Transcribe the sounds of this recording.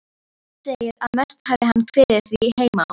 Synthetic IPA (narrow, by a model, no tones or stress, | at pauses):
anseːjɪɾaðmɛst̪havðɪhanːkʰvɪːðɪθiheːjma